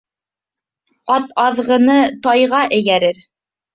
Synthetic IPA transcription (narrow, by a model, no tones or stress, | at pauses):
ɑt̪ɑðʁɤ̆nɤt̪ɑjʁɑʔɘ̆jæɾɘɾ